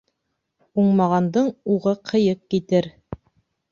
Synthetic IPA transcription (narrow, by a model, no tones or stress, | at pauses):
uɴmɑʁɑnd̪ɤɴuʁɤqʰɤ̆jɤq̚kit̪ɘɾ